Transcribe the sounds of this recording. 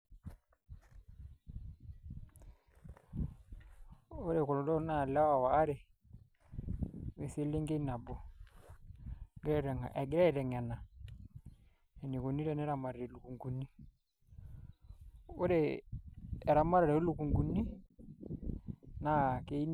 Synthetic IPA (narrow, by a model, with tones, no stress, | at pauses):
o˦ɾe˨kɔ˨lɔ˨dɔ˦na˦˨la˦wa˨waː˨˦ɾɛ˨ | we˨se˦le˦ŋɡe˦na˨bɔ˦ | ɡɾɛ˦˨ɾɛ˨ŋa˨ʔɛ˨ɡɾɛ˦ɛ˨ɾɛ˨ŋɛ˨na˨ | ɛ˨ni˨ko˨ni˦ɾɛ˦˨nɛ˦ɾa˨ma˨ɾa˨ɾɛ˨lu˨ku˨ŋɡu˨ni˦ | o˦ɾeː˨ | ɾa˨ma˦ɾa˨ɾɛ˨o˦lu˨ku˨ŋɡu˨ni˦ | na˨˦ke˨˦i˦n